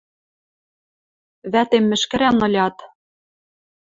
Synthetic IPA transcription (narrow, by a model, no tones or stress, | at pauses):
βæt̪emːɘ̆ʃkɘ̆ɾænɤ̆lʲɑt̪